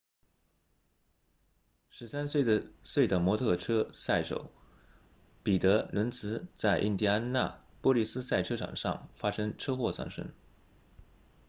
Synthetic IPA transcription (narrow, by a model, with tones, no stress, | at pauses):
ʂɻ̩˧˥sa˥nswe˥˩ɪd̪ə˨swe˥˩ɪd̪ə˩mwɔ˧˥t̪ʰɤ˥˩ʈ͡ʂʰɤ˥sa˥˩ɪʂo̰˨˩˦ʊ | pi˨˩t̪ɤ˧˥lə˧˥nt͡sʰɹ̩˧˥t͡sa˥˧ɪʔḭ˥˩nt̪i˥a˥nna̰˥˩ | pwɔ˥li˥˩sɹ̩˥sa˥˩ɪʈ͡ʂʰɤ˥ʈ͡ʂʰɑ̰˨˩ŋʂɑ̰˥˩ŋfa˥ʂɤ˥ŋʈ͡ʂʰɤ˥xwɔ˥˧sɑ̰˥˩ŋʂə̰˥ŋ